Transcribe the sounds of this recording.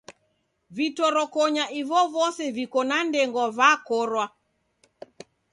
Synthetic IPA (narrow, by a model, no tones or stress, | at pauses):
vitɔɾɔkɔɲaʔivɔvɔsɛvikɔnandɛŋɡɔvakɔɾwa